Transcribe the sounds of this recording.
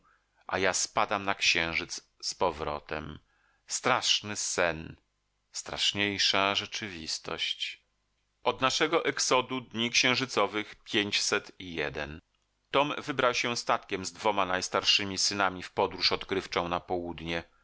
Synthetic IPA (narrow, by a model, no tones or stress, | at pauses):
ʔa̰jaspad̪amnakɕɛ̃w̃ʐɘt̪s | spɔvɾɔ̰t̪ɛ̰m | st̪ɾaʂnɘsɛn | st̪ɾa̰ʂɲejʂaʐɛt͡ʂɘvʲist̪ɔ̰ɕt͡ɕ | ɔd̪naʂɛɡɔʔɛksɔd̪ud̪ɲikɕɛ̃w̃ʐɘt̪sɔvɘxpʲjeɲt͡ɕsɛt̪ijɛd̪ɛn | t̪ɔmvɘbɾawɕɛst̪at̪kʲɛmzd̪vɔmanajst̪aɾʂɘmʲisɘnamʲifpɔd̪ɾuʂɔt̪kɾɘft͡ʂɔ̃w̃napɔwud̪ɲɛ